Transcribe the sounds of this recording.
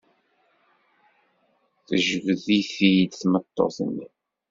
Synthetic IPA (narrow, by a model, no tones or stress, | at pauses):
θəʒvəðifijd̪θmət̪ˤːo̰θə̰nːi